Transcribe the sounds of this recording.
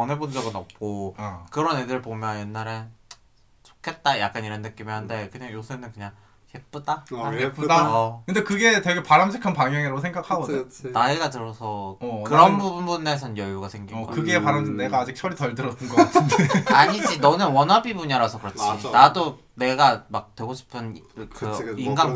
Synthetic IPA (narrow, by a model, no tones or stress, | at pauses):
ʌnɦebond͡ʑʌɡɯnʌp̚k͈okɯɾʌne̞dɯɾɭpomjʌnjenːaɾe̞ | t͡ɕo̥kʰe̞t̚t͈aja̰k̚k͈aniɾannɯk͈imiɦande̞kɯɲaŋjosʰenɯnkɯɲaŋ | çʰep͈udaaepudʌkɯnde̞kɯɡe̞teɡepaɾamd͡ʑʰikʰanpaŋjʌŋiɾaɡosʰeŋɡakʰaɡʌnaiɡatɯɾʌsʰʌkɯɾʌnbubunbune̞sʰʌnjʌjuɡasʰe̞ŋɡimɡʌ̰kɯɡeːpaɾamdɯnneɡaːd͡ʑik̚t͡ɕʰʌɾitʌɭdɯɾʌt͈ʰɯnɡ | aɲid͡ʑinʌnɯnwʌnɦabibuɲaɾasʰʌkɯɾʌt͡ɕʰinado | ne̞ɡamak̚twe̞ɡoɕʰi̥pʰɯnkɯinɡan